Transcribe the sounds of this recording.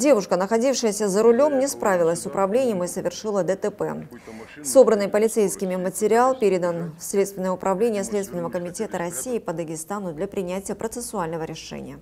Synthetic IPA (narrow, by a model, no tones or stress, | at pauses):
dʲe̞vʊʂkənəxɐdʲifʂɨjəsʲəzəɾʊlʲo̞mnʲɪspɾavʲɪlˠəsʲsʊpɾɐvlʲenʲɪjəmɨsəvʲɪrʂɨlˠəd̪ət̪ɛpɛ̰ | so̞bɾənːɨjpəlʲɪt̪sejskʲɪmʲɪmətʲɪɾʲɪalˠpʲeɾʲɪd̪ənslʲet̪st̪vʲɪnəjəʊpɾʔɐvlʲenʲɪjəslʲet̪st̪vʲɪnəvəkəmʲɪtʲe̞t̪əɾɐsʲijɪpəd̪əɡʲɪst̪anʊd̪lʲapɾʲɪnʲætʲɪjəpɾət̪sɨsʊalʲnəvəɾʲɪʂɛ̰nʲɪ̰jə